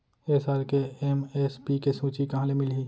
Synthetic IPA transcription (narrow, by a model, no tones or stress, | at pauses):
esaːɾkeemespikesũːt͡ʃikɐɦãːlemɪlɦiː